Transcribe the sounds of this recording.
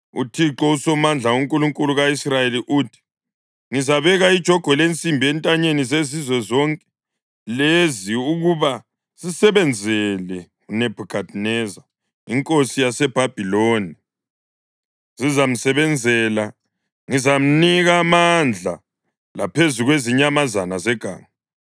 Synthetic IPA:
ṵtʰiǁɔusɔmand͡ɮʱauŋkʼuluŋkʼuluɣaisrajeliʔuːtʰi̥ | ŋizaβɛɣaid̥ʒ̥ʱɔɡ̥ʱɔlent͡sʼimbʱiɛntʼaɲenizezizwɛzɔŋkʼɛ̥ | leziuɣuβa | z̥isɛβɛnd͡zʱɛlɛ | unɛb̥ʱukʰad̥ʱnɛza | iŋkʼosijasɛb̥ʱab̥ʱiloːni | z̥izam̩sɛβɛnd͡zʱɛːla | ŋizam̩niɣamand͡ɮʱa̰ | lapʰezuɣweziɲamazanazɛɡ̥ʱa̰ːŋa

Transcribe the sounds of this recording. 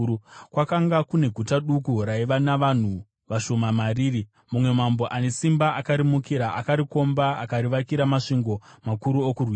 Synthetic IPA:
kwakaŋɡakune̞ɡʱutaɗukuraiʋanaʋan̤u | ʋaʃo̞mamariːri | mumwe̞mambo̞ʔane̞simbaʔakaɾimukiɾaʔakaɾiko̞mbaakaɾiʋakiɾamaʂiŋɡo̞makuɾuokurwi

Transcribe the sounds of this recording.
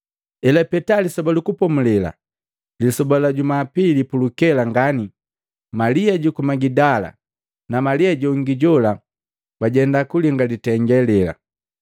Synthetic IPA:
ɛlapɛtalisɔbalukupɔmulɛla̰ | lisɔbalaɟumaːpilipulukɛlaŋɡani | maliaɟukumaɡidala̰ | namaliaɟɔŋɡiɟɔla | baɟɛndakuliŋɡalitɛŋɡɛlɛla̰

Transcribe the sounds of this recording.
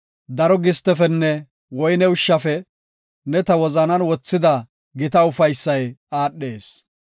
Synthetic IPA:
d̪ɐɾɔɡɪst̪ːɛfɛnːɛ | wɔjnɛʊʃːɐfɛ | nɛt̪ɐwɔzɐnɐnwɔt͡sːɪd̪ɐ | ɡɪt̪ɐʊfɐjsːɐjaːɗːe̞ːs

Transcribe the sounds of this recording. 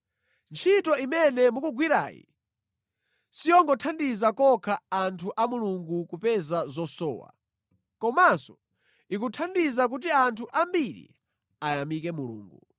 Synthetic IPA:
nt͡ʃʰitɔimɛnɛmukuɡwiɾa̰ːjḭ | sijɔŋɡɔtʰandizakɔkʰaːntʰuʔamuluŋɡukupɛzazɔsɔ̰ːwa̰ | kɔmasɔ | ik̬utʰandizak̬ut̬iantʰuʔambiɾḭ | ajamikɛmulṵːŋɡu

